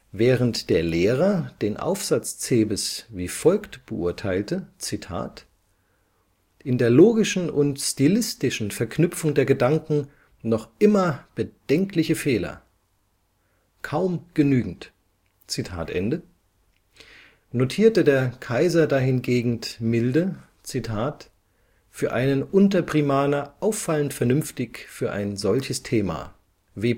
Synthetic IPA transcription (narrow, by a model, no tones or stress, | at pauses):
vɛːʁ̞əntd̥eːɐleːʁɐd̥eːnʔa̰ʊfz̥at͡st͡seːbəsviːfɔlktb̥əʔʊɐtʰaɪltət͡sitʰa̰ːt | ʔɪndeːɐloːɡɪʃn̩ʔʊntstilɪstɪʃn̩fɛɐknʏpp͡fʊŋdeːɐɡədaŋkŋ̩ | nɔχʔɪmɐb̥əd̥ɛŋklɪçəfeːlɐ̰ | kʰaʊmɡ̥ənyːɡŋ̩t | t͡sitʰa̰ːtʔɛ̰ndə | notʰiːɐtədeːɐkʰaɪzɐdaːhɪnɡeːɡŋ̩tmɪldə | t͡sitʰaːt | fyːɐʔaɪnənʔʊntɐpʁ̥imaːnɐʔaʊfːaləntfɛɐnʏmftɪçfyːɐʔa̰ɪnzɔlçəstʰeːma̰ː | veː